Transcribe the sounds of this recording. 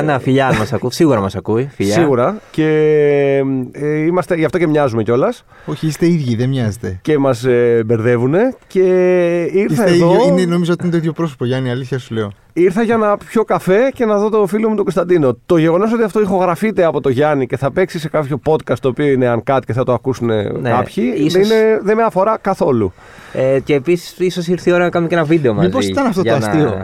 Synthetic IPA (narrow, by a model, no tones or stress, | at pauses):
nɐfiʎɐmɐsɐkusiɣuɾɐmɐsɐkuifiʎsɐiɣuɾɐce̞ | imɐst̪eʝɐft̪o̞ce̞mɲɐzume̞co̞lɐs | oçiist̪eiðʝiðemɲɐzet̪ece̞mɐsbe̞ɾðe̞vune̞ce̞iɾsθɐeðoinenomizot̪iinet̪oiðjo̞pɾosopoʝɐniɐliθçɐsuleo | iɾθɐʝɐenɐpço̞kɐfe̞ce̞nɐðo̞t̪o̞filiomut̪o̞ɡo̞st̪ɐnd̪ino̞t̪o̞ʝe̞ɣo̞nos̬o̞t̪iɐft̪o̞ixo̞ɣɾɐfit̪e̞ɐpo̞t̪o̞ʝɐnice̞θɐpe̞ksise̞kɐpço̞po̞t̪kɐst̪o̞ːpioine̞ɐŋkɐt̪i̥ceθɐt̪oɐkusune̞̰nkɐpçieine̞ðemeɐfo̞ɾɐkɐθo̞lṵ | ceːpisi̥siso̞s̬iɾθio̞ɾɐnɐkɐnumenɐvid̪e̞omɐmizposit̪ɐnɐft̪ooɐsst̪io